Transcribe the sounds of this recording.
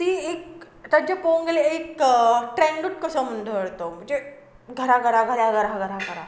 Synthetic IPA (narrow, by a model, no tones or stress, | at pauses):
t̪iek | ʈəd͡ʑəpoŋɡəleekʈɾɛ̃ɳɖuʈ̚kəsəmənd̪ʱəʋəɽt̪om̤ə̃ɳd͡ze | ɡʱəɾaɡʱəɾaɡʱəɾaɡʱəɾaɡʱəɾaɡəɾa